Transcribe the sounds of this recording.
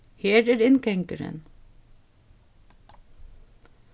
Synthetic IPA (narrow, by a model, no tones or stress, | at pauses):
heːɾæːɾɪnkɛŋkəɾə̰n